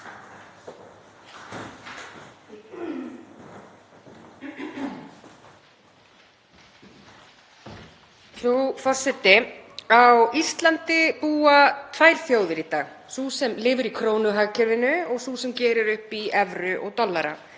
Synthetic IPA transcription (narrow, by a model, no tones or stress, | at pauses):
θufɔr̥sɛt̪ːɪawist̪lant̪ɪpuːat̪ʰvaːjɾ̥θjoːwðɪɾit̪aːɣsusɛmlɪːvʏɾikʰɾoːwnʏɦacɛɾvɪnʏɔɣsusɛmcɛːɾʏɾʏhpiɛvɾʏʔɔɣt̪ɔlːaɾa̰